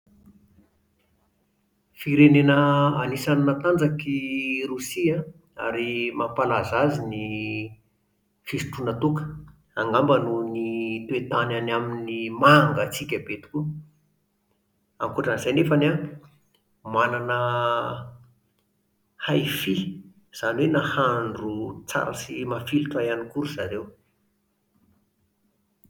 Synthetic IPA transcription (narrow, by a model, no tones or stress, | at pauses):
fiɾenenəanisannat̪and͡zakirusia | a̰ɾimapalazazini | fisi̥ʈ͡ʂunət̪ukə̥ | aŋɡambənunit̪uet̪ananaminimaŋɡət͡sikʲəbet̪u̥ku | aŋkuʈ͡ʂanzajnefana | mananə | hajfi | z̥aniwenahaɳɖ͡ʐut͡sa̰ɾə̰simafiluʈ͡ʂajanikuɾuz̥aɾew